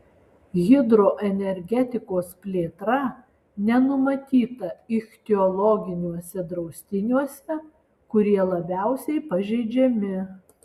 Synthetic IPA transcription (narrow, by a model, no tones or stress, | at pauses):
ɣʲɪd̪ɾoːʔɛnʲɛɾʲɡʲɛt̪ʲɪkoːspʲlʲeːt̪ɾɐ | nʲɛnʊmɐt̪ʲiːt̪ɐɪxʲt̪ʲɪɔlˠɔɡʲɪnʲuɔsʲɛd̪ɾɒʊsʲt̪ʲɪnʲuɔsʲɛ | kʊɾʲiɛlˠɐbʲæˑʊsʲɛɪpɐʒʲɛɪd͡ʒʲɛmʲɪ